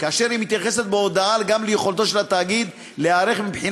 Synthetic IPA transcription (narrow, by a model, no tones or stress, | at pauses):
kaːʃe̞ɾimit̪jaχe̞set̪̚beod̪aalɡamlejeχo̞lt̪o̞ʃelat̪aːɡid̪ | lehaːɾeχmibħin